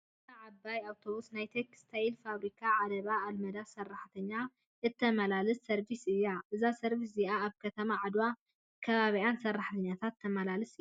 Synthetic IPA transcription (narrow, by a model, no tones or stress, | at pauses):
ɨt̪ʰɐʕabːajawt̪ʰo̞βusnajt̪ʰekɨ̥st̪ʰailfaβɾikʰaʕad̪ɐβaːlmɐd̪asɐrːaħt̪ʰɐɲːa | ɨt̪ʰːɐmɐlalɨsːɐɾbisɨjːaʔɨzasɐɾbis̬ziaːβkʰɐt̪ʰɐmaʕad̪wa | kʰɐβaβiansɐrːaħt̪ʰɐɲːat̪ʰat̪ʰːɐmɐlalɨs